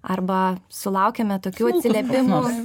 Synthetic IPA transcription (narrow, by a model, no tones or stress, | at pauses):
ɐrbɐsʊlˠɐʊkʲɛmʲɛt̪oːkʲuːɐt̪ʲsʲɪlʲɛpʲɪmʊ